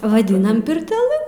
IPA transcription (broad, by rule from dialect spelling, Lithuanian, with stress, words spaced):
ʋɐˈdʲɪnɐm pʲɪrʲtʲɛˈlˠɨ